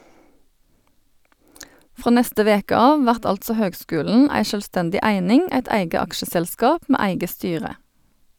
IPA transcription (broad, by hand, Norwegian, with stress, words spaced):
ˈfʁoː ˈnɛstə ˈʋeːkə ˈɑːʋ ˈʋæʁt ˈɑltsɔ ˈhøːɡˌskʉːln̩ ˈæɪ ʃœlˈstɛndɪ ˈæɪnɪŋ ˈæɪt ˈæɪɡə ˈɑkʃəsɛlˌskɑːp ˈmeː ˈæɪɡə ˈstyːʁə